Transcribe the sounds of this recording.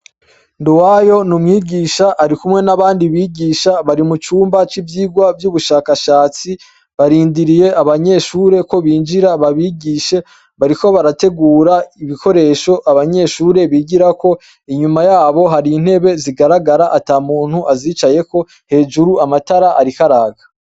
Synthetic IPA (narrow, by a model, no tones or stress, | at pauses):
nduwajo̞numŋiːɡiːʃaʔːɾikumŋe̞naβaːndiβiːɡiːʃaβaɾimut͡ʃuːmbat͡ʃivjiːɡwavjuːβuʃaːkaʃaːt͡si | βaɾiːndiɾije̞ʔaβaɲe̞ʃuːɾe̞ko̞βiːnd͡ʒiɾaβaβiːɡiʃe̞ | βaɾiko̞βaɾate̞ɡuːɾaiβiko̞ɾe̞ːʃo̞ʔaβaɲe̞ʃuːɾe̞βiːɡiɾako̞ | iɲumajaːβo̞ɦaɾiːn̥he̞βe̞ziɡaɾaɡaɾaʔataːmuːn̥huʔaziːt͡ʃaje̞ko̞ | he̞ːʒuɾuamataɾaʔaɾikaɾaːɡa